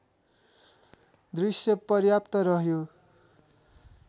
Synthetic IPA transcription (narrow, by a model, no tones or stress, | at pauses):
d̪risjʌpʌrjap̚t̪ʌɾʌɦjo